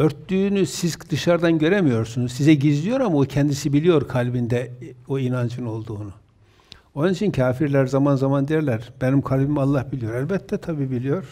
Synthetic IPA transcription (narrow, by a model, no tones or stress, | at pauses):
øɾt̪ːyːnysizkd̪̥ɯʃaɾd̪anɟø̞ɾemijo̞ɾsunuzsizɛɟizlʲijo̞ɾamaocʰɛnd̪isibilʲijo̞ɾkʰalʲbind̪ɛoinand͡ʒɯno̞lˠd̪uːnu | o̞nunit͡ʃʰincʰaːfiɾlʲæɾzamanzamand̪ejɛɾlʲæɾb̥enimkʰalʲbimalˠːahbilʲijo̞ɾælʲbɛt̪ʰːɛt̪ʰabiːbilʲijo̞ɾ̥